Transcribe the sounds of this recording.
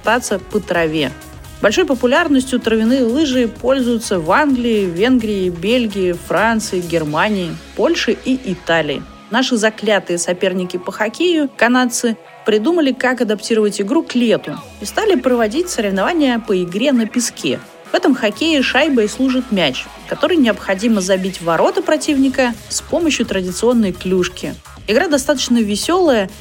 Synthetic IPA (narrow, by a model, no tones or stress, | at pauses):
t̪at̪sːəpət̪ɾɐvʲe̞ | bɐlʲʂo̞jpəpʊlʲarnəsʲtʲjʊt̪ɾəvʲɪnɨjlˠɨʐɨpo̞lʲzʊjʊt̪səvanɡlʲɪɪvʲe̞nɡɾʲɪɪbʲelʲɡʲɪjɪfrant̪sɨɪɡʲɪrmanʲɪɪpo̞lʲʂɨʔiʔɪt̪alʲɪ̰ɪ̰ | naʂɨzɐklʲat̪ɨjəsɐpʲe̞rnʲɪkʲɪpəxɐkʲejʊkɐnat̪sɨ | pɾʲɪd̪uməlʲɪkakɐd̪ɐptʲiɾəvətʲɪɡɾuklʲe̞t̪ʊ | ɪst̪alʲɪpɾəvɐdʲitʲsəɾʲɪvnɐvanʲɪjəpəɪɡɾʲenəpʲɪskʲḛ | v̥ɛt̪əmxɐkʲejɪʂajbəɪslˠuʐɨt̪mʲæt͡ɕ | kɐt̪o̞ɾɨjnʲɪɐpxɐdʲiməzɐbʲitʲvɐɾo̞t̪əpɾɐtʲivnʲɪkəspo̞məɕjʊt̪ɾədʲɪt̪sɨo̞nːəjklʲuʂkʲɪ | ɪɡɾad̪ɐst̪at̪ə̥t͡ɕnəvʲɪsʲo̞lˠəjə